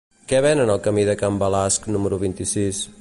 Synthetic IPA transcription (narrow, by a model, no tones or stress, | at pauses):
kɛβɛnənəlˠkəmiðəkambəlasknuməɾuβ̞int̪isis